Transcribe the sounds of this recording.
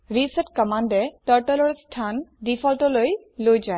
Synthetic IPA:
ɹisɛtkəmandɛtəɹʈɛlɔɹstʰandipʰɔltɔloj | lojzaj

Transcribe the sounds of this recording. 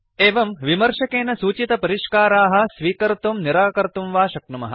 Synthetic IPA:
eːʋɐmʋimɐɾʃɐkeːnɐsuːt͡ʃit̪ɐpɐɾiʃkaːɾaːɦɐ̆sʋiːkɐɾt̪umniɾaːkɐɾt̪umʋaːʃɐknumɐ̰ɦɐ̰

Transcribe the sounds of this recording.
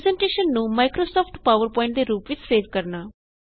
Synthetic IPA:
zɛ̃ɳʈeːʃənːũːmaːɪkɾoːsɔːpʰʈpaːʋəɾpɔ̃ːɪ̃ɳʈd̪eːɾuːpʋɪt͡ʃseːʋkəɾnaː

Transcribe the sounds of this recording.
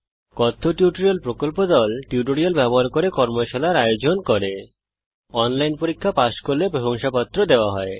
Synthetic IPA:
kɔt̪ʰːoʈiuʈoɾialpɾokolpod̪ɔlʈiuʈ̬oɾialbɛboɦaɾkoɾekɔɾmoʃalaɾajod͡ʑonkɔɾe | ɔnlajnpoɾikʰːapaʃkoɾlebɾoboŋʃapat̪ːɾod̪eoaɦɔe

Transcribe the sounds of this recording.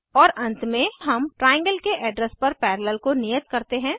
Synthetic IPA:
ɔːɾʔɐ̃nt̪mẽɦɐmʈɾaːjɪ̃ŋɡəlkeʔɛɖɾəspɐɾpɛːɾələlkonijət̪kɐɾt̪eɦɛ̃ː

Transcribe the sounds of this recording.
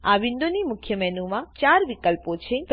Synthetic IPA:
aʋind̪onimʊkʰjəmɛnumãt͡ʃaɾʋikəlpot͡ʃʰep

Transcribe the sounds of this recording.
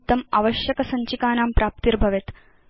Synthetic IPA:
t̪ːɐma̰ːʋɐʃjɐkɐsɐɲt͡ʃikaːnaːmpɾaːp̚t̪iɾbʱɐʋet̪

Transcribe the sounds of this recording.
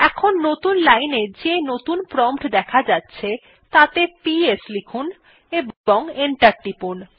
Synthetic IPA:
ɛkʰonːot̪unlajned͡ʑenot̪unpɾɔmʈd̪ɛkʰad͡ʑatːɕʰe | t̪at̪epieslikʰun | eboŋeɳʈaɾʈipun

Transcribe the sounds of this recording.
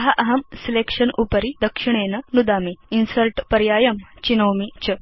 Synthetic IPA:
ɦaʔɐɦɐmselekʂənʔupəɾid̪əkʂiɳ̃enənud̪amiːnsəɾʈpəɾjajəmt͡ɕinəwmit͡ɕə

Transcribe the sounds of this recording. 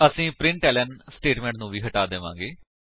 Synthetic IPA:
əsĩːpɾɪ̃ɳʈɛːlənsʈeːʈmɛ̃ɳʈnũːʋiːɦəʈaːd̪eːʋã̰ːŋɡeː

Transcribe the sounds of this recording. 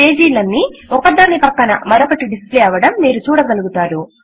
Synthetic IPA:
e̞ːd͡ʒiːlɐnːiɔkɐd̪ːaːnipɐkːɐnɐmɐɾopɐʈiɖisplɛːɐʋɐɽɐmːiːɾut͡ʃuːɽɐɡɐluɡut̪aːɾu

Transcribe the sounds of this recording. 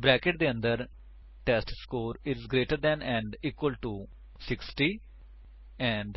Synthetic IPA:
bɾɛːkeʈ̚d̪eːə̃nd̪əɾ | ʈɛːsʈskoːɾɪzɡɾeːʈəɾd̪ɛ̃ːnɛ̃ːɳɖiːkwəlʈuː | sɪksʈiː | ɛ̃ːɳɖ

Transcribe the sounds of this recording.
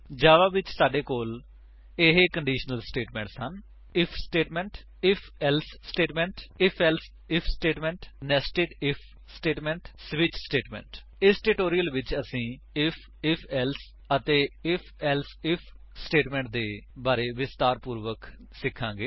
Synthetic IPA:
d͡ʒaːʋaːʋɪt͡ʃsaːɖeːkoːl | ɪɦeːkəɳɖiːʃnəlsʈeːʈmɛ̃ːɳʈsən | ɪpʰsʈeːʈmɛ̃ːɳʈ | ɪpʰɛːlssʈeːʈmɛ̃ːɳʈɪpʰɛls | ɪpʰsʈeːʈmɛ̃ːɳʈnɛːsʈeːʈɪpʰ | sʈeːʈmɛ̃ːɳʈsʋɪt͡ʃsʈeːʈmɛ̰̃ːɳʈ | ɪsʈeːʈoːɾijəlʋɪt͡ʃəsĩː | ɪpʰ | ɪpʰɛːls | ət̪eːɪpʰɛːlsɪpʰ | sʈeːʈmɛ̃ːɳʈ̚d̪eːbaːɾeːʋɪst̪aːɾpuːɾʋək | sɪkʰːãːɡeː

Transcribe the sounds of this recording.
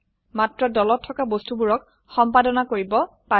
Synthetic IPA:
matɹɔdɔlɔtʰːɔkabostubuɹɔk̚ | xɔmpadɔnakoɹibɔ | pa

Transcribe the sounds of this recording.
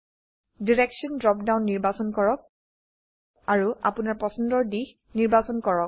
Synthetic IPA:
diɹɛksɔndɹɔpdawnːiɹbasɔnkɔɹɔk̚ | aɹua̰punaɹpɔsɔndɔɹdix | niɹbasɔnkɔɹɔk

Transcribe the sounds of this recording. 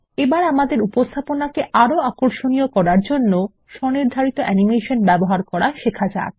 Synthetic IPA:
ebaɾamad̪eɾupost̪ʰaponakeʔaɾoakoɾʃonijokɔɾaɾd͡ʑonːo | ʃɔniɾd̪ʱaɾit̪oʔɛnimeʃonbɛboɦaɾkɔɾaʃekʰad͡ʑa̰

